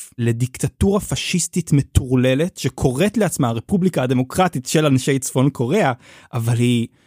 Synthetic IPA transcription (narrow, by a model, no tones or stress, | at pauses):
le̞dikt̪atuʁafaʃistitmetuʁle̞le̞tʃekʰo̞ʁe̞tleat͡smaːʁe̞publikaad̪e̞mo̞kʁatitʃe̞lanʃejt͡sfo̞nkʰo̞ʁe̞aʔavalhi